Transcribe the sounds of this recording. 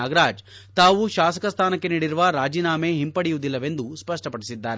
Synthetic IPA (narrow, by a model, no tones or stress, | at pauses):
aːɡɐɾaːd͡ʒt̪aːʋuʃaːsɐ̥kɐst̪ʰaːnɐkːe̞niːɽiɾuʋɐɾaːd͡ʒiːnaːme̞ːɦimpɐɽijud̪ilːɐʋe̞nd̪uspɐʂʈɐpɐɽisid̪ːaːɾe